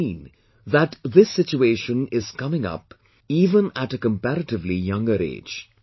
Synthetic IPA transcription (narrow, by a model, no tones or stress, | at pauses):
ĩn | ðæʈðɪsːɪt͡ʃueːʃə̃nɪz̥kʌmɪ̃ŋʌ̰p | iːʋə̃næʈəkə̃mpæɾəʈɪʋlijʌ̃ŋɡəɾḛ̥ːd͡ʒ